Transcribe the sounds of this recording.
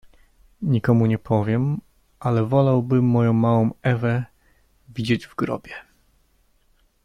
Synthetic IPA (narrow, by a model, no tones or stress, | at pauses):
ɲikɔmuɲɛpʰɔvʲjɛm | ʔalɛvɔlawbɘmːɔjɔ̃w̃mawɔ̃w̃ɛvɛ | vʲid͡ʑed͡ʑvɡɾɔ̰bʲjɛ